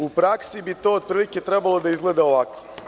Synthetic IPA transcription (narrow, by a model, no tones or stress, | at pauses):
upɾaksibit̪o̞od̪̚pɾiːlike̞t̪ɾebalˠod̪aizɡle̞d̪ao̞ʋako